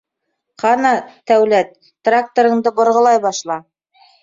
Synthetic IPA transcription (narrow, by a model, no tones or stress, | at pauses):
qɑnɑt̪æwlæt̪̚ːrak̚t̪oɾɤ̆ɴd̪ɤbŏɾʁɤ̆lˠɑjbɑʃlˠɑ